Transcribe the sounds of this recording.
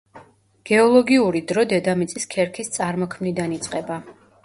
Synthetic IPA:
ɡ̥ɛɔlˠɔɡiuɾid̪ɾɔd̪ɛd̪amit̪sʼiskʰɛɾkʰist̪sʼaɾmɔkʰmnid̪anit̪sʼqʼɛba

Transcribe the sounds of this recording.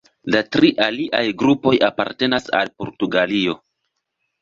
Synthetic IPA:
latɾiʔaliʔajɡɾupo̞japa̰ɾte̞nasa̰lpo̞ɾtuɡalio̞

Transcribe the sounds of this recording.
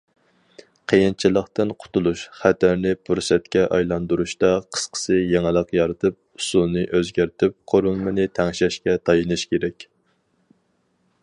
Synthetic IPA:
qʰəjint͡ʃʰilˠəχt̪ɨnqʰʊ̥t̪ulˠuʃχæt̪ʰæɾnɪpʰuɾsɛt̪̚kʲɛʔɑjlˠɑnd̪uɾuʃt̪ɑqʰə̥sqʰə̥sɨjeŋɨlˠəqjɑɾɨt̪ʰɨp̚usulˠnɨʔøzɡʲæɾt̪ʰɪp̚qʰoɾulˠmɨnɨt̪ʰɛŋʃɛʃkʲɛt̪ʰɑjɨnɨʃkʲeɾɛkʲ

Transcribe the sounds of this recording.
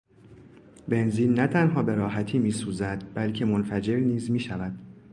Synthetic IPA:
be̞nziːnːæt̪ʰænɦɒːbe̞ɾɒːɦæt̪ʰiːmiːsuːzæd̪bælcʰe̞mo̞nfæd͡ʒe̞ɾniːzmiːʃævæd̪̥

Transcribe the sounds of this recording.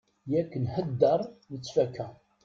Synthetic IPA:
jækːənhəd̪ːəɾˤnət͡sːfækːæ

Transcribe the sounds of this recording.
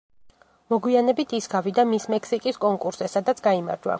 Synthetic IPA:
mɔɡwianɛbit̪ʰisɡavid̪amismɛksikʼiskʼɔŋkʼuɾsɛsad̪at̪sʰɡaima̰ɾd͡ʒwa̰

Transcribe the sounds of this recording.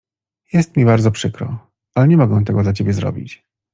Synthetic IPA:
jɛst̪̚mʲibaɾd̪zɔpʂɘkɾɔ̰ | alɛɲɛmɔɡɛw̃t̪̬ɛɡɔd̪lat͡ɕebʲjɛzɾɔ̰bʲḭt͡ɕ

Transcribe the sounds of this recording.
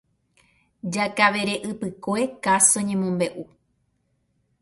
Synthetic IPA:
d͡ʒakaʋe̞ɾe̞ʔɨpɨkoe̞kasoɲẽmõmbe̞ʔu

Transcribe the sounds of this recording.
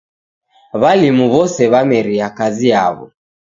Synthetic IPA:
βalimuβɔsɛβamɛɾiakazia̰βɔ̰

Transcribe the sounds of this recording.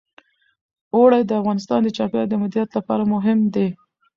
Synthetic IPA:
oɽajd̪əafɣɑnɪst̪ɑnd̪ət͡ʃɑpjɑɾd̪əmʊd̪ɾijat̪lapɑɾamʊɦɪmd̪e

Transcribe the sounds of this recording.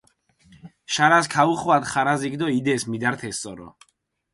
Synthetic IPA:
ʃaɾaskʰauχwad̪χaɾazikd̪ɔid̪ɛsmid̪aɾt̪ʰɛst̪sʼɔɾɔ̰

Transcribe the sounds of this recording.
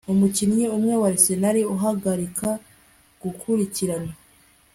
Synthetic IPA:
umucinɲiumŋewaɾisenaɾiuɦaɡaɾikʰa | ɡ̥ukʰuɾiciɾana

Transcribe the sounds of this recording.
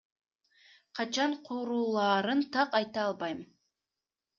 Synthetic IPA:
qʰɑt͡ʃɑɴqʰoɾuːlˠɑːɾɯnt̪ʰɑqɑjt̪ɑɑlˠbɑjmn

